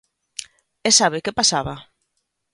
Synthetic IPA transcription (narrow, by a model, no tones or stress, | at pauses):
ɛsaβɪkepasaβa